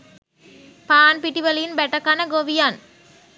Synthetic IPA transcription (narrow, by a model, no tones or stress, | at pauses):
paːnpiʈːiʋɐlɐjinbɛʈːɐkːaːnɐɡoːʋijaːn